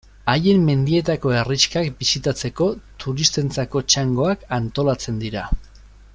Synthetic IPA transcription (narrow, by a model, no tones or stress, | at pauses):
aje̞mːe̞nd̪ie̞t̪ako̞e̞rit͡ʃkakbisit̪at͡se̞ko̞t̪uɾist̪e̞nt͡sako̞t͡ʃaŋɡo̞akant̪o̞lat͡se̞nd̪iɾa